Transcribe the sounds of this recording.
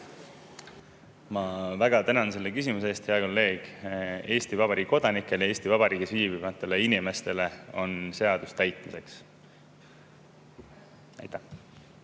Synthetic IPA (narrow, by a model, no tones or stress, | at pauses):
mɑvæɡ̥ɑt̪ænɑnse̞lːekys̬imuseeːst̪he̞ɑko̞lːe̞ːɡ̥e̞ːst̪ivɑb̥ɑɾiːɡikod̪̥ɑnikːˑe̞ljɑe̞ːsʲt̪ivɑb̥ɑɾiːɡisviːbimɑt̪ːˑe̞leinime̞st̪e̞le̞o̞̰nse̞ɑd̪̥ust̪æjt̪mise̞ks | æ̰jt̪ːˑæh